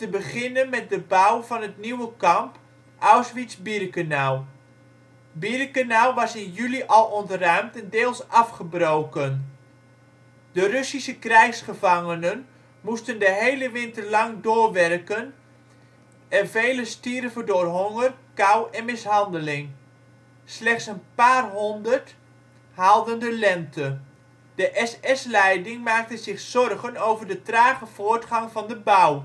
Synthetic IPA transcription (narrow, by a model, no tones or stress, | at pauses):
təbəχɪnənmɛt̚dəbawvɑnətniwəkɑmp | ʔawsʋisbirkanalˠ | birkanalˠʋɑsɪnjyliʔɑlˠɔndərœɥmtɛndɪːlˠsɑfχəbrowkən | d̥ərøsisəkrɛjxsχəvɑŋənən | mustəndəɦejləʋɪntərlɑŋdʊːrʋɛrkən | ɛnvejləstirvədʊːrɦɔŋərkawɛnmɪsɦɑndəlɪŋ | slɛχtsənpaːrɦɔndəɹt | ɦalˠdəndəlɛntʰə | d̥əʔɛsɛslɛjdɪŋmaːk̚təzɪχsɔrχənowvəɹdətraːχəv̥ʊːɹtχɑŋvɑndəbʌw